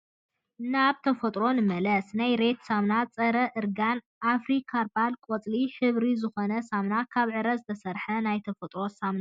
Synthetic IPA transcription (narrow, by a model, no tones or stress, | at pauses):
naβt̪ʰɐfɐt̪ʼɾo̞nɨmɐlɐsnajɾe̞t̪samnat͡sʼɐɾɐʔɨɾɡan | ʔafɾikʰaɾbalkʼot͡sʼliħɨβɾizɨxonɐsamnakʰaβʕɨɾɐzɨt̪ʰɐsɐɾħɐnajt̪ʰɐfɐt̪ʼɾo̞samna